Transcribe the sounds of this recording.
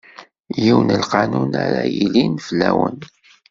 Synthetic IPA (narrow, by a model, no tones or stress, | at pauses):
jiwnəlqɑnunaɾajilinflːæwən